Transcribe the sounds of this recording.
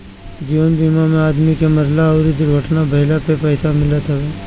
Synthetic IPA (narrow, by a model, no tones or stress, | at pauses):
d͡ʒiːʋənbiːmamẽaːd̪mikemɐɾlaɔːɾid̪ʊɾɡʱəʈnabʱɐɦɪlapepəɪt̪ʰamɪlət̪ɦɛbeː